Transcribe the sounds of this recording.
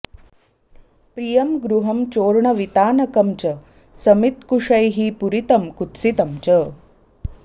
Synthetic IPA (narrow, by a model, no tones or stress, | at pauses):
pɾijɐmɡɾuɦɐmt͡ʃoːɾɳɐʋit̪aːnɐkɐmt͡ʃɐ | sɐmit̪kuʂɐjɦipuɾit̪ɐmkut̪sit̪ɐmt͡ʃɐ